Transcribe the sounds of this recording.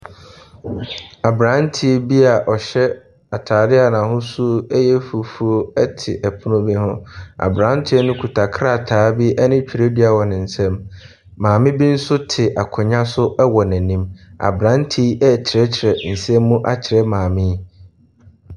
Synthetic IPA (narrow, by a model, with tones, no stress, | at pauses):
a˨bɾã˨˦n˦tʰi˦bi˦a˨ʔɔ˨ɕɛ˦ | a˨tʰaː˨dɪ˦a˨nã˨ɦʊ̃˦su˦ɛ˦jɛ˦fu˨fu˦o˦ɛ˦tʰɪ̰˨ʔɛ˨pʰʊ˦nʊ̃˦bi˦hʊ̃˦a̰˨bɾã˨˦n˦tʰɪ˦nʊ̃˦kʰu˨tʰa˨kʰɾa˦˨tʰaː˨˦bi˦ʔɛ˦nɪ̃˦t͡ɕᶣi˨ɾe˦di˦a˨wɔ˨nɪ̃˨n̩˨sɛ̃˦mː | ãː˨mɪ̃˦bi˦n̩˦sʊ˦tʰɪ˨ʔa˨kʰʊ̃˨ɲã˦sʊ˦ʔɛ˦wɔ˨næ̃˨nĩ˦ma̰˨bɾã˨˦ntʰi˦ɛ˦t͡ɕʰɪ˨ɾɛ˦t͡ɕʰɪ˨ɾɛ˨n̩˨sɛ̃˦mː˦ũ˦ʔa˦t͡ɕʰɪ˨ɾɛ˦mãː˨mɪ̃˦